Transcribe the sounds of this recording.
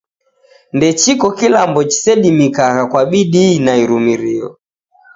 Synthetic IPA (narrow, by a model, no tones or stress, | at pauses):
ndɛt͡ʃikɔkilambɔt͡ʃi̥sɛɗimikaɣakwaɓiɗinaiɾumiɾiɔ̰